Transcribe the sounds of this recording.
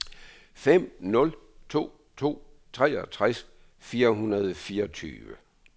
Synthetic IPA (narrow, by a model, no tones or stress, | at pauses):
fem̰nɔ̽l | t͡sʰo̝̰ː | t͡sʰo̝̰ː | t͡sʰʁɛɒt͡sʰʁas | fiːɐɦunɐð̞ˠfiːɐt͡sʰy̰ːʋə